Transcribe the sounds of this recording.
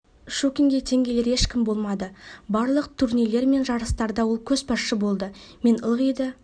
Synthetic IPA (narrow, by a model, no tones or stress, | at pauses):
ʃokʲiŋɡʲe̞t̪ʰe̞ŋɡʲe̞le̞ɾe̞ʃkʲɪmbo̞lˠmɑd̪əbɑɾlˠəqt̪ʰuɾnejle̞ɾme̞nʒɑɾəst̪ɑɾd̪ɑwo̞lˠkʲʰɵzpɑsʃəbo̞lˠd̪ə | me̞nəlˠʁijd̪ə